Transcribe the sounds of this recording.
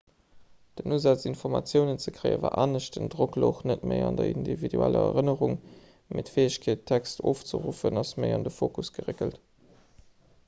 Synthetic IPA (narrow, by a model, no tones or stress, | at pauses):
d̥ənuzɑt͡sinfɔʁmɑ̰t͡sjəʊnət͡səkʁəɪə̰va̰ːʔaːnəɕ̚dəndʁokloχnətməɪɑndɐindividuælɐ̰ɐʁənəʁuŋ | metfeːəɕkʰeːtʰːækstʰoːft͡sə̰ʁufənɑsməɪɑndəfoːkusɡ̥əʁekəlt